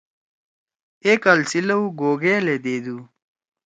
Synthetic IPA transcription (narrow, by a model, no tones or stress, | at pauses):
ekalsilɐuɡoːɡeːled̪eːd̪u